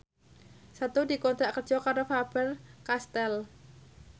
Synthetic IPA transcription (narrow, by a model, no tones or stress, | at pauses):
sat̪udi̤kɔnt̪ɾaʔkərd̥ʒ̥ɔkaɾofab̥ərkast̪ɛl